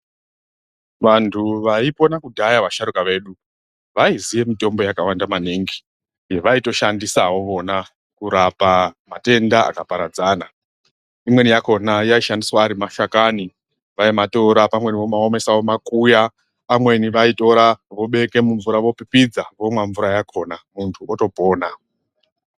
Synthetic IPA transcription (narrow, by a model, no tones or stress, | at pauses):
ʋantʰuʋaipo̞nakudʱajaʋaʃaɾukaʋe̞ɗu | ʋaizije̞mito̞mbo̞jakawandamaneŋɡi | jeʋaito̞ʃandisawo̞ʋo̞na | kuɾapamate̞ndaa̰kapaɾad͡zaːna | imwe̞nijako̞najaiʃandiswaːɾimaʃakani | ʋaimato̞ɾapamwe̞niʋo̞mao̞me̞sao̞makuja | pamwe̞niʋaito̞ɾaʋo̞ɓe̞ke̞muɱvuɾaʋo̞pipid͡zaʋo̞mwaɱvuɾajakʰo̞namuntʰuoto̞po̞ːna